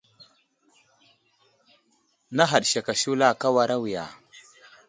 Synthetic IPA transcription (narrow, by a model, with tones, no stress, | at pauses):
na˦ɦa˨ɗʃa˨ka˨ʃu˦la˦˨ka˦wa˨ɾa˦wi˨ja̰˨